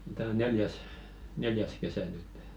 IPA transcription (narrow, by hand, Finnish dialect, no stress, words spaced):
tæː o neljæs neljæs kesæ nytːe̥